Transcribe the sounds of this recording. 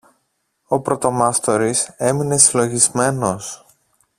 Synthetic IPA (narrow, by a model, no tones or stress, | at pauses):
opɾo̞t̪o̞mɐst̪o̞ɾise̞mine̞silo̞ʝizme̞no̞s